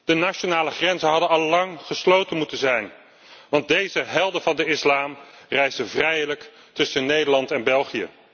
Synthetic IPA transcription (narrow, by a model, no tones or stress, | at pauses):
d̥ənaʃonaːləχrɛnzənɦɑdənɑlˠːɑŋχəslowtənmutənzɛjn | ʋɑnt̚dejzəɦɛlˠdəvɑndəɪslaːm | rɛjzdəvrɛjlək | tɵsənejdəɹlɑntɛnbɛlˠχijə̰